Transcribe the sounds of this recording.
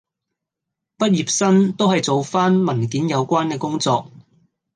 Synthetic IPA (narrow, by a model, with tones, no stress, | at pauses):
pɐ˥t̚jiː˨p̚sɐ˥nt̪o˥wɦɐ˨jt͡so˨˧wfaː˥nmɐ˨˩nkiː˨˥njɐ˨˧wkʷaː˥nkɛː˧kʊ˥ŋt͡sɔː˧k̚